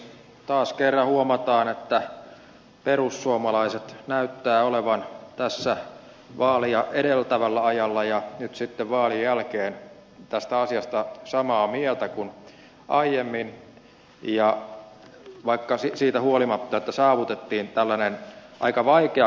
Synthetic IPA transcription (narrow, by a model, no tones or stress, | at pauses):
t̪ɑːskerːɑhuomɑt̪ɑːnet̪ːæ | perusːuomɑlɑiset̪næyt̪ːæːoleʋɑnt̪æsːæ | ʋɑːliɑʔeɾelt̪æʋælːæɑjɑlːɑjɑnyt̪sit̪ːeʋʋɑːlijjælkeːn | t̪æst̪æɑsiɑst̪ɑsɑmɑːmiɛlt̪ækun | ʔɑijemːin | jɑ | ʋɑikːɑsisiːt̪æhuolimɑt̪ːɑet̪ːæsɑːʋut̪et̪ːiːnt̪ælːænenʔɑ̰ikɑʋɑikeɑ